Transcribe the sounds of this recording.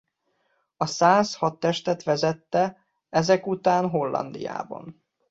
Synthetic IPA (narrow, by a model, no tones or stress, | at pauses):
ɒsaːshɒt̪ːɛʃt̪ɛt̪ʋɛzɛt̪ːɛ | ɛzɛkut̪aːnɦo̞lːɒ̰nd̪ḭja̰ːbɒ̰n